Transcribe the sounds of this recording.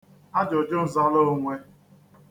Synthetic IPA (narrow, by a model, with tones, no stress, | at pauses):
a˦d͡ʒɔ˨d͡ʒʊ˦n̩˨za˦lo˦ŋʷe˦